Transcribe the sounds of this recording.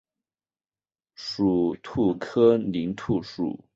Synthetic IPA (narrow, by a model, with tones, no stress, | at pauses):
ʂu˨˩t̪ʰu˥˩kʰɤ˥li˧˥ŋt̪ʰu˥˩ʂṵ˨˩˦